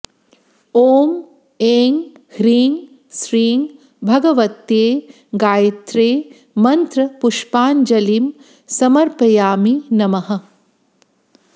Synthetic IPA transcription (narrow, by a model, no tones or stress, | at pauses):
oːm | eːŋ | hɾiːŋ | sɾiːŋ | bʱɐɡɐʋɐt̪jeː | ɡaːjɐt̪ɾeː | mɐnt̪ɾɐpuʂpaːnd͡ʒɐlim | sɐmɐɾpɐjaːminɐmɐɦɐ̆